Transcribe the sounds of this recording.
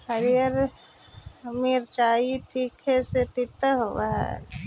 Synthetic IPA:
həɾijəɾ | miɾt͡ʃaːiʈikʰeset̪it̪əɦoʋaɦɛ̰

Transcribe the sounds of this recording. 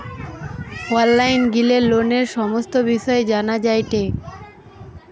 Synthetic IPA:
oalːajnɡileloneɾʃɔmost̪obiʃɔed͡ʑanad͡ʑajʈe

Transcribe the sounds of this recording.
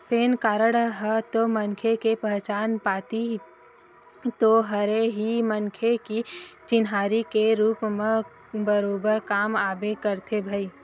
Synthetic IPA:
peːnkaːɾəɽɦət̪omɐŋkʰekepəɦt͡ʃaːnpaːt̪i | t̪oɦɐɾeɦiməŋkʰekit͡ʃɪnɦaːɾikeɾuːpmẽ | bəɾoːbəɾkaːmaːbekəɾt̪ʰebʱai

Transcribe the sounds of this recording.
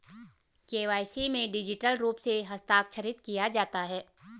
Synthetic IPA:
keːʋaːjsimẽɖɪd͡ʒɪʈəlɾuːpseɦɐst̪aːkʃʰəɾɪt̪kijad͡ʒaːt̪aɦɛː

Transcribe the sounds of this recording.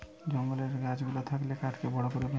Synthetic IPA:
d͡ʑoŋɡoleɾɡad͡ʑɡulot̪ʰaklekaʈʰkebɔɽokoɾebe

